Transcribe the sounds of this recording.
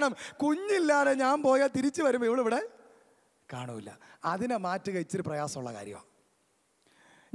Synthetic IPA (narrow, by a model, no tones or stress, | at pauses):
ɳɐmkuɲːilːaːðeɲaːmpo̞ːjat̪iɾit͡ɕːɨʋɐɾumbiʋiɭeiʋiɽe̞ | kaːɳuːilːɐ̰ɐðinemaːtːɨɣɐɻit͡ɕːoɾuprɐjaːsɐmuɭːɐka̰ːɾjɐ̰mo̰ | ɲ